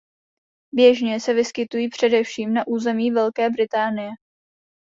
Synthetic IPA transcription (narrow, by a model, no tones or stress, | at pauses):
bjɛʒɲɛsɛvɪskɪt̪ujiːpr̝̥ɛdɛfʃiːmnaʔuːzɛmiːvɛlkɛːbɾɪt̪aːnɪjɛ